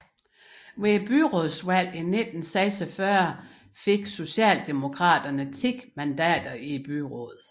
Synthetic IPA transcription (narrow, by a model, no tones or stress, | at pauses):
ʋeb̥yʁɔðˠswæl̰ined̥n̩sɛːsəfɶɐ̰ | fe̝ɡ̥so̝ɕɛ̰ːld̥emo̝kʰʁɑ̰̈ːd̥ɐnət͡sʰeɡ̥mænd̥ɛ̰ːd̥ɐib̥yʁɔ̰ð̩ˠ